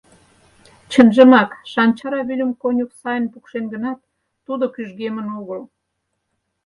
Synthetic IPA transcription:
t͡ɕənʒəmɑkʃɑnʲt͡ɕɑɾɑβylʲəmkonʲuksɑjə̆npukʃenɡənɑt̪ː | ud̪okyʒɣemənuɣəl

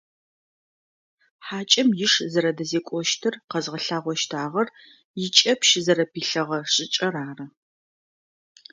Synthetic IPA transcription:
ħaːt͡ʃʼɐmjɪʂzɐɾɐdɐzeːkʷʼɔʃtʰɨrqɐzʁɐɬaːʁʷɔʃtʰaːʁɐr | jɪt͡ʃʼɐpʃzɐɾɐpiːɬɐʁɐɕʼɪt͡ʃʼɐraːrɐ

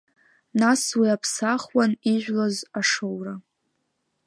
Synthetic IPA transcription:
naswiapʰsaχwaniʒʷᶣlazaʂowra

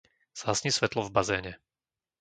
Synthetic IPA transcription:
z̥aːsɲisʋɛt̪lɔvbazɛːɲɛ

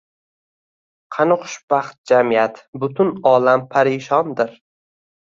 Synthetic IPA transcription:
qʰɑnɪχʊ̥ʃb̥ɑχt̪̚d͡ʒamijat̪bʊt̪ʰʊnɒːlampʰaɾiʃɒnd̪ɪɾ

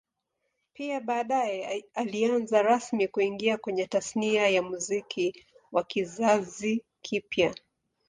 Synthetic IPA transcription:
piaɓaːɗajɛalianzaɾasmikuiŋɡiakwɛɲɛtasniajamuzikʰi | wakizazi | kʰipja

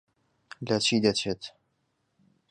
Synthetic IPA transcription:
lɐt͡ʃʰiːd̪ɐt͡ʃʰeːt̪

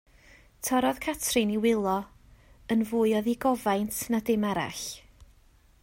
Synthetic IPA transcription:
tʰɔɾɔð̥kʰatʰrɨniwɪlˠɔ | ənvʊːɨɔðiɡɔvajntʰnadɪmaɾa̰ɬ

